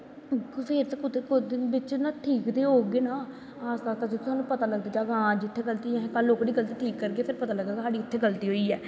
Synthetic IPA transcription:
peːɾt̪ːkʊt̪eːkʊd̪ɪbɪt͡ʃnaːʈʰiːkd̪eːɦoːɡeːnaː | aːst̪aːt̪əsĩt̪ʊaːnũːpət̪aːləɡd̪aːd͡ʒaɡãːd͡ʒɪt̪ʰːeːɡəlt̪iːɛ̃kəlːoːkɽiːɡəlt̪iːʈʰiːkːəɾɡeːpʰɪɾpət̪aːləɡd̪aːt̪ʊsɦaːɖiːɪt̪ʰːeːɡəlt̪iːɦoːiːɛː

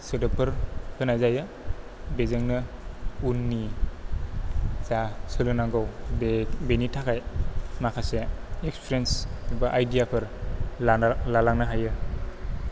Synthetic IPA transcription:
sɯdɯpʰɯɾpʰɯnazajɯ | bezɯŋnɯunːi | zasɯlɯnaŋɡawbebenitʰakʰajmakʰaseekspʰiɾensbaʔajdijapʰɯɾalalaŋnaɦajɯ

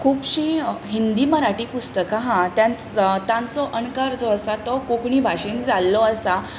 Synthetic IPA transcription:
kʰuːpɕĩːɦind̪iːməɾaʈiːpust̪əkaɦãt̪jãnt͡st̪ãnt͡sɔʔəɳkəɾd͡zɔəsat̪ɔkokɳiːbʱaɕiːnd͡zalːɔəsa

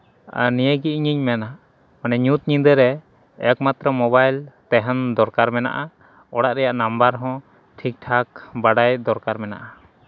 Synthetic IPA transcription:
nijəɡiʔiɲiɲmɛna | manɛɲut̪̚ɲĩnd̪əɾɛ | akmat̪ɾɔmɔbajlt̪ɛɦɛnd̪ɔɾkaɾmɛna̰ʔa | ɔɽaʔɾɛjaʔnambaɾɦɔ̃ | ʈʰik̚ʈʰak̚baɽajd̪ɔɾkaɾmɛna̰ʔa

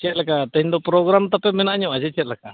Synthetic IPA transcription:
t͡ʃɛt̪̚lakat̪əɦĩɲd̪ɔpɾɔɡɾamt̪apɛmɛnaʔɲɔad͡ʒɛt͡ʃɛt̪̚laka

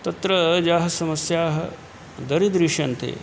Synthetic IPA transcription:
t̪ɐt̪ɾɐd͡ʒaːɦɐsɐmɐsjaːɦɐ | d̪ɐɾid̪ɾiʂɐnt̪ḛː

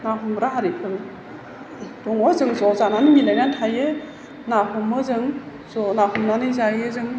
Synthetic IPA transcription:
naɦumɾaɦaɾi | dɔŋɔzɯŋzɔzananɯmilajnantʰajɯ | naɦɔmɯzɯŋ | zɔnaɦumnanɯzajɯzɯŋ

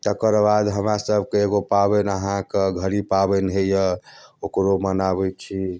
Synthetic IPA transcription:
t̪əkəɾbad̪ɦəmɾasəbʱkeeɡopabɛnəɦãkeɡʱəɾipabɛnɦejəokɾomənabɛt͡ʃʰi

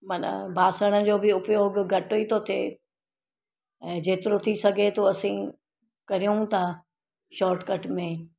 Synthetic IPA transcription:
mɐnə̰bʱaːsəɽ̃ə̆d͡ʑoːbɪʊpjoːɡɡʱɐʈoit̪ʰot̪ʰeː | ɛ̃ːd͡ʑeːt̪ɪɾot̪ʰisɐɡʱet̪ʰoɐsĩ | kɐɾijũt̪ʰa | ʃɔːɾʈkɐʈmẽː

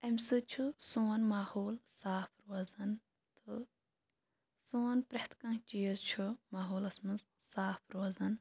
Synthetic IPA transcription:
emʲsɨt͡ʃʰɨsoːnmaːhoːlsaːpʰɾuɐzɐn | t̪ɨ | soːnpɾɐht̪ʰkɐ̃t͡ʃijɐzt͡ʃʰɨmaːɦoːlɐsmɨz | saːpʰɾoɐzɐn

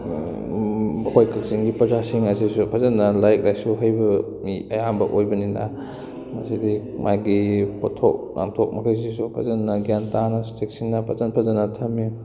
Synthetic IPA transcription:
kʰojkʰɐk̚siŋɡipɾɐzasiŋɐsisupʰɐzɐnːɐlajk̚ɾajsuɦɐjbɐ | miɐjambɐʔojbɐninɐ | mɐsidimʔajɡipɔtʰo̰k̚nʔa̰mtʰok̚mɐkʰajs̬is̬upʰɐ̰zɐnːɐɡjantanɐstek̚siŋnɐpʰɐzɐnpʰɐzɐnɐtʰɐmːi

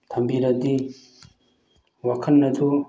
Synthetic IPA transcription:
t̪ʰɐmbiɾɐd̪i | wakʰɐnːɐd̪u

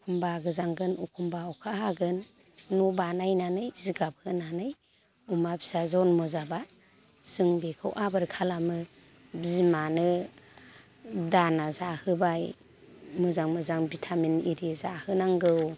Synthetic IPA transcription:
kʰumbaɡɯzaŋɡɯnukʰumbaɔkʰaɦaɡɯnː | ubanajnanɯjziɡap̚hɯnanɯj | umabʰi̥sazɔnmɔzaba | z̥ɯŋbekʰɯwʔabɯɾkʰalamɯ | bizmanɯ | danazahɯbaj | mɯzaŋmɯzaŋbitʰaminiɾizahɯnaŋɡɯw

